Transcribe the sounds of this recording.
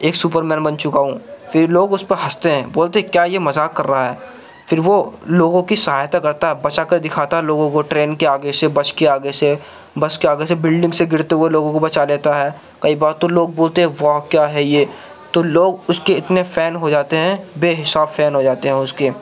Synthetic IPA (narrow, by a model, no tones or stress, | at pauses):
eːksuːpəɾmɛ̃ːnbɐnt͡ʃʊkaɦũːfɪɾloːɡʊspəɦɐst̪eɦɛ̃ːboːlt̪eɦɛ̃kjaːjemɐzaːkːɐɾːɐɦaɦɛː | fɪɾʋoloːɡõkisɐɦaːjt̪akɐɾt̪aɦɛbɐt͡ʃakɐɾd̪ɪkʰaːt̪aɦɛloːɡõkoʈɾeːnkeaːɡesebɐt͡ʃkeaːɡese | bɐt͡ʃkeaːɡesebɪlɖɪ̃ŋɡseɡɪɽt̪eɦueloːɡõkobɐt͡ʃaleːt̪aɦɛː | kɐibaːɾt̪ːoloːɡ̚boːlt̪eɦɛ̃ʋakjaːɦɛjeː | t̪oloːɡʊskeɪt̪nefɛːnɦod͡ʒaːt̪eɦɛ̃beːɦɪsaːbfɛːnɦod͡ʒaːt̪eɦɛ̃ʊskeː